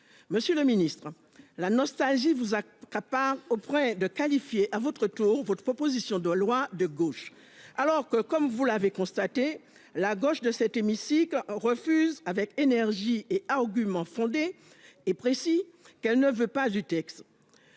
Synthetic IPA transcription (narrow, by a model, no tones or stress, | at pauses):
məsjøləminist̪χ | lanɔst̪alʒivuza | kapaʁopχwɛ̃d̪əkalifjeʔavɔt̪χət̪uʁvɔt̪χəpχɔpozisjɔ̃d̪əlwad̪əɡoʃ | alɔʁkəkɔmvulavekɔ̃st̪at̪e | laɡoʃd̪əsɛt̪emisiklʁəfyzavɛkenɛʁʒieaʁɡʲymɑ̃fɔ̃d̪eː | pχesikɛlnəvøpazyt̪ɛkst̪